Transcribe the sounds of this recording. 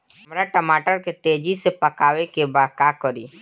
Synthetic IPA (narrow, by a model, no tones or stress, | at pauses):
mɾaʈəmaːʈəɾket̪eːd͡ʒisepəkaːwekebaːd̪̚kaːkəɾiː